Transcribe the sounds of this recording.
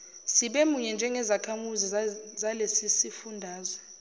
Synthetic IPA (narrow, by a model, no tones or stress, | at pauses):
siɓemuɲɛnd͡ʒʱɛŋɛzakʰamuzizalesisifundʱaːzɛ